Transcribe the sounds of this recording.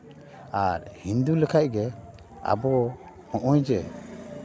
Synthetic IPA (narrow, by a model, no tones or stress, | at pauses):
aɾhind̪ulɛkʰaʔɡɛ | a̰bɔ | hɔ̃ʔɔjd͡ʒɛ